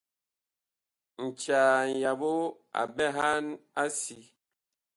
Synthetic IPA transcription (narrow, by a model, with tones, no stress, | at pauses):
n̩˨t͡ʃa˨n̩˨ja˨bo˦ | a̰˨bɛ˦ɦa˦na˦si˨˦